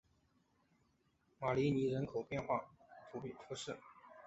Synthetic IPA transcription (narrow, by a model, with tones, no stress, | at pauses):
ma˨˩li˧˥ni˧˥ɻə˧˥nkʰo˨˩ʊpjɛ˥˧nxwa̰˥˩fʰu˧˥pfʰu˧˥ʂɻ̩˥˩